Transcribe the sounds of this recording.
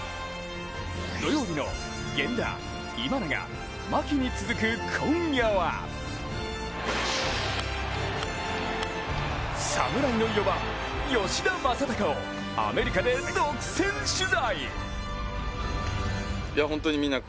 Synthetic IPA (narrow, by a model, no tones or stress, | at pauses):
d̪o̞jo̞ːbʲino̞̰ | ɡẽ̞nd̪a̰ | imanaɡa̰ | makʲiɲ̟it͡sɨzɨkɯ̟kʰõjaβa̰ | samɯ̟ɾainoijoba | jo̞ɕid̪amasat̪akao | a̰me̞ɾʲikad̪e̞zokɯ̥sẽ̞ɰ̃ɕɨzai | jaɦõnt̪oɲimʲĩnːa